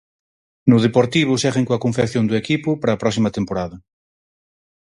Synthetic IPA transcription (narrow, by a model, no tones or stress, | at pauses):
nʊð̞epoɾt̪iβ̞ʊsɛɣeŋkoɐkõɱfekθjond̪ʊekipʊpaɾɐːpɾɔks̬imɐt̪empoɾaðɐ